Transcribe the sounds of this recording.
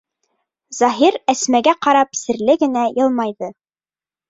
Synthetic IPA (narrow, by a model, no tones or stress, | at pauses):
zɑɦiɾæsmæɡæqɑɾɑpsɘ̆ɾlɘɡɘ̆næjɤ̆lˠmɑjðɤ